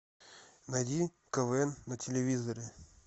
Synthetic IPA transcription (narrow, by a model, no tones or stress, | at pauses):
nɐjdʲi | kəvɛnːətʲɪlʲɪvʲizəɾʲɪ